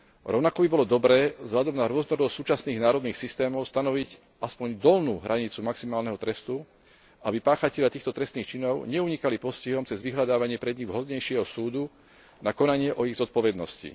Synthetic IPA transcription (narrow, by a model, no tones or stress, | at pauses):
ɾɔʊnakɔbibɔlɔd̪ɔbɾɛːzɦʎad̪ɔmnaɾʊɔznɔɾɔd̪ɔsuːt͡ʃasniːɣnaːɾɔd̪niːxsist̪ɛːmɔʊst̪anɔʋiɟ | aspɔɲd̪ɔlnuːɦɾʔaɲit͡sumaksimaːlnɛɦɔt̪ɾɛst̪u | abipaːxacɛʎat̪iːxt̪ɔt̪ɾɛst̪niːxt͡ʃinɔʊɲɛuɲikalipɔsciɦɔmt͡sɛzʋiɦlad̪aːʋaɲɪɛpɾɛd̪ɲivɦɔd̪ɲɛjʃɪɛɦɔsuːd̪u | nakɔnaɲɪɛʔɔiɣzɔt̪̚pɔʋɛd̪nɔscḭ